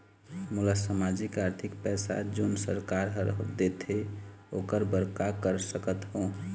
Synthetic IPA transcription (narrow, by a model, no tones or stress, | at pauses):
mulasamad͡ʒikaɾt̪ʰikpɛsa̰d͡ʒonsəɾkaɾɦəɾd̪et̪ɦeokəɾbəɾkakəɾsəkət̪ɦõ